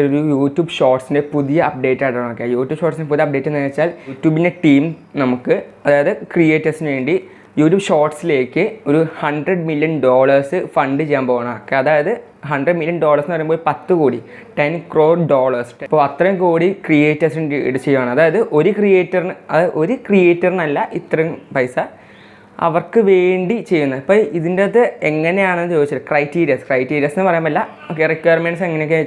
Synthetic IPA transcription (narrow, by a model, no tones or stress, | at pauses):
oɾujuːtjuːbʂo̞ːrʈsinde̞puðijɐɐp̚ɖe̞ːtːaɽʈːɐːɳɐmokːejuːtːjuːbʂoːʈsindep̬uðijɐp̚ɖe̞ːtːenːiɐt͡ɕːaːluːtːjuːbinde̞ʈiːm | nɐmukːɨɐðaːjɐðɨkrijeːtːɐrsinɨʋe̞ːɳɖi | juːtːuːbʂo̞ːrʈsile̞ːkːɨoɾuhɐɳɖrɐɖmiljɐnɖoːɭɐrsɨfɐɳɖɨt͡ɕejːaːmboːʋaːɳɐokːeɐðaːjɐðɨ | ɦɐɳɖrɐɖmiljɐnɖo̞ːlɐrsnɨɐjmboːlpɐt̪ːɨkuːɽi | ʈenkro̞ːɖo̞ːɭɐrsʈpːoːɐt̪rɐumkuːɽikrijeːtːɐrsɽɨt͡ɕe̞jːumaːɳɨɐðaːjɐðɨʔo̞ɾukrijeːtːɐrnɨɐðɨʔo̞ɾukrije̞ːtːɐrnɐlːɐʔit̪ːrɐjumpɐjsɐ | ɐ̰ʋɐrkɨʋe̞ːɳɖit͡ɕe̞jːunːɐðipːoːiðindet̪ːɨeŋːɐne̞jaːɳenːɨt͡ɕoːðit͡ɕːɐtːkrɐjtːiːɾijɐskrɐjtːiːɾiɐsenːɨpɐrɐjaːmɐlːɐ | okːerikːɐjɐrmenɖseŋːɐnejokːe